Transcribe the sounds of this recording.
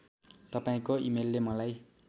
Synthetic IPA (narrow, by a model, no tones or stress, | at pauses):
t̪ʌpaĩkoimelːemʌlaj